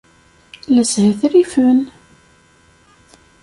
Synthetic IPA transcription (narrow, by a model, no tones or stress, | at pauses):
læshæθɾifən